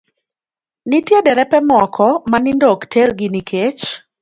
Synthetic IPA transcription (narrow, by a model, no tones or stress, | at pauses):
nitjedɛɾɛpɛmɔkʰɔmanɪndoktʰɛrɡɪnikʰet͡ʃ